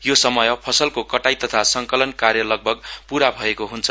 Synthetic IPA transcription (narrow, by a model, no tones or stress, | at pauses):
josʌmʌjpʰʌsʌlkokʌʈajt̪ʌt̪ʰasʌŋkʌlʌnkarjʌlʌɡ̚bʱʌɡpuɾabʱʌekoɦunt͡sʰʌ